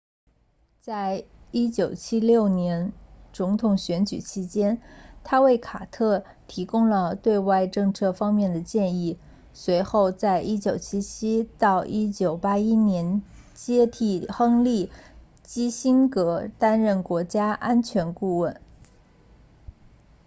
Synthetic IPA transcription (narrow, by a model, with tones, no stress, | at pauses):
t͡sa˥˩ɪ | i˥t͡ɕjo˨˩ʊt͡ɕʰi˥ljo˥˩ʊnjɛ˧˥nt͡sʊ˧˥ŋt̪ʰʊ˨˩ŋɕɥɛ˧˥nt͡ɕy̰˨˩t͡ɕʰi˥t͡ɕjɛ˥nt̪ʰa˥we˥˩ɪkʰa˨˩t̪ʰɤ˥˩ | t̪ʰi˧˥kʊ˥ŋlə˨t̪we˥˧ɪwa˥˧ɪʈ͡ʂɤ˥˧ŋt͡sʰɤ˥˧fɑ˥ŋmjɛ˥˩nd̪ə˩t͡ɕjɛ˥˧ni˥˩ | swe˧˥ɪxo˥˧ʊt͡sa˥˧ɪʔi˥t͡ɕjo˨˩ʊt͡ɕʰi˥t͡ɕʰi˥t̪ɑ˥˩˧ʊʔi˥t͡ɕjo˨˩ʊpa˥i˥njɛ˧˥n | t͡ɕjɛ˥t̪ʰi˥˩xɤ˥ŋli˥˩ | t͡ɕi˥ɕi˥nkɤ˧˥t̪a˥nɻə˥˩nkwɔ˧˥t͡ɕja˥ʔa˥nt͡ɕʰɥɛ˧˥nku˥˧wə˥˩n